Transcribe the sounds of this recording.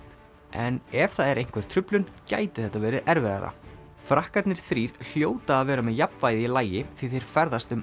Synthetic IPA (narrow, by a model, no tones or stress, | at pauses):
ʔɛnɛvθaðɛɾejŋ̥kʰvɛɾ̥t̪ʰɾʏplʏnca̰ːjt̪ɪ̥θɛht̪ːavɛːɾɪðʔɛɾvɛða̰ɾa̰ | fɾahkat̪nɪɾ̥θɾiːɾ̥l̥joːwt̪aːðvɛːɾamɛðjapnvaːjðɪilaːjɪθviθfejɾ̥fɛɾðast̪ʏm